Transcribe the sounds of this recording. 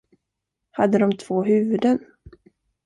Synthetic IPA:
had̪ːəd̪ɔmt̪ʰv̥oːɦʉ̟ːvɵd̪ən

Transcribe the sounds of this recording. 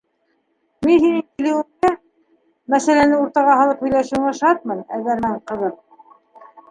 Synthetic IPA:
minhinɘŋk̪ɘ̆lɘ̆wɘ̆ŋd̪ɘ | mæsælænɘuɾt̪ɑʁɑhɑlˠɤphɵ̆jlæʃɘ̆wɘ̆ŋɑʃɑt̪̚mɤnæðæɾmæɴqɤ̆ðɤq

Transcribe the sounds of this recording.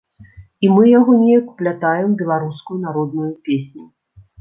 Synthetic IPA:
imɨjaɣɔnʲɛjɐku̥plʲat̪ajɛmbʲɛlˠaɾuskujun̪aɾɔd̪nujupʲesʲnʲu

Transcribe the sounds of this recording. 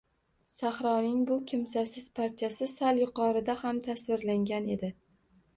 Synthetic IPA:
sahɾɒnɪŋbʊkʲʰɪmsasɪz̥pʰaɾt̪ʰijasɪsaljʊqɒɾɪd̪ahamt̪ʰasvɪɾlaŋɡʲane̞d̪ɪ

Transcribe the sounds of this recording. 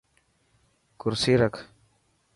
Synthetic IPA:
kuɾsiɾak

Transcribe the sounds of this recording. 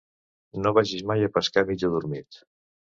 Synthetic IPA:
noβaʒiʃmajəpəskamid͡ʒuðuɾmit̪

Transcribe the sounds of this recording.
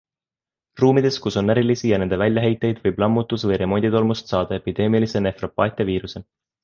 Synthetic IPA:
ruːmid̪̥e̞skuso̞nːæɾilisijɑne̞nd̪e̞vælʲjɑɦe̞jt̪ːˑe̞jd̪vɤjblɑmːut̪ːusvɤjɾe̞mo̞nʲd̪it̪o̞lmust̪sɑːd̪̥ɑe̞pid̪̥e̞ːmilise̞ne̞fro̞pːɑːt̪ʲːˑeviːɾuse

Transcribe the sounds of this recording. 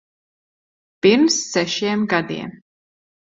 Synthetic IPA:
piɾmsːɛʃiɛmɡad̪ḭɛm

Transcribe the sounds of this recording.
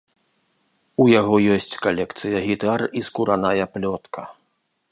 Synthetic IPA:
ujaɣɔjɔsʲt͡sʲkalʲɛkt̪sɨjɐɣʲit̪ariskuɾanajɐplʲɔt̪kʰɐ

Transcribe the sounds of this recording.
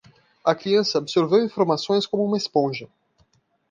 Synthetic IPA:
ɐkɾiɐ̃sɐabsoɾvewĩfoɾmasõj̃skõmʊũmɐespõʒɐ

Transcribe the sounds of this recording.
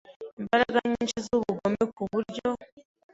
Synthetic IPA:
imbaɾaɡaɲint͡ʃizuβuɡomekuβuɾɟo̞

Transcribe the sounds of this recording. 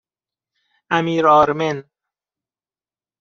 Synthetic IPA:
ʔæmiːɾɒːɾmen

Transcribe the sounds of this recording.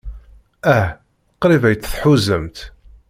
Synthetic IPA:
æh | qɾivæjət͡sːθħuzəmt̪

